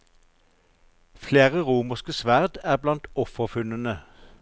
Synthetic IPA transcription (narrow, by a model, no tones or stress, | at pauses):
fleːʁəʁuːməʁskəsʋæʁd̪æːʁblɑnt̪ɔfəʁfʉnənə